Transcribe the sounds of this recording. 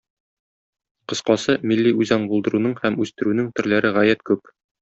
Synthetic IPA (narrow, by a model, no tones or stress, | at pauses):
qɤ̆sqɑsɤmilːiʉjzɑɴbulˠd̪ɤ̆ɾunɤɴhæmʉst̪ɘ̆ɾʉnɘŋt̪ɵ̆ɾlæɾɘʁæjæt̪kʉp